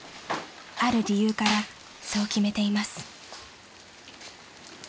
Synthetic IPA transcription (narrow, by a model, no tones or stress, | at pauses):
aɾɯ̟ɾʲijɯːkaɾa | sookʲime̞t̪e̞imasɨ̥